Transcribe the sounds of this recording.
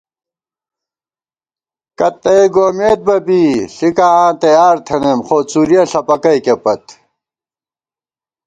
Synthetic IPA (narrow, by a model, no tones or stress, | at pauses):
kɐt̪ːɐeɡoːmeːt̪̚bɐbiːɬikaãːt̪ɐjaːɾt̪ʰɐnemχoːt͡suːɾjɐɬɐpɐkɐjkepɐt̪